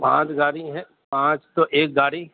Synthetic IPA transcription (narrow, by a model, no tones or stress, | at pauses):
pã̰ːt͡ʃɡaːɾiɦɛ̃ | pãːt͡ʃt̪oʔeːk̚ɡaːɾi